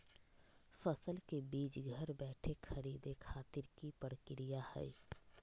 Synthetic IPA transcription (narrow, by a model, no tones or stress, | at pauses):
fəsəlkebiːt͡ʃɡʱəɾbɛːʈʰexʰɐɾiːd̪ekʰaːt̪ɪɾkipəɾkɪɾijahɛ̰j